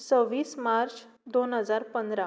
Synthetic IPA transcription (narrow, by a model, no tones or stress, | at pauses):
t͡səʋiːsmaɾt͡ɕ | d̪onɦəd͡zaɾpənd̪ɾa